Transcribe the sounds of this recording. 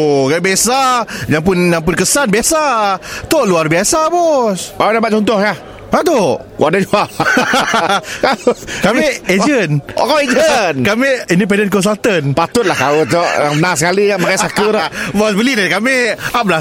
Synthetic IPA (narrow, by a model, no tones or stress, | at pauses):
kabasajaŋp̬ʊnjaŋpʊnkəsanbiasat̪oʔluarbiasabɔsawdabaʔ̚t͡ʃɔnt̪ɔhja | at̪o | kɔ̰adad͡ʒua | akameʔed͡ʒəna̰kaed͡ʒənkameʔindip̬ɛndənkɔns̬alt̪ənpat̪ʊt̪̚lahkaotɔʔjaŋbənasəkaliamakajsakəɾbɔsbəlidadkameaʔbla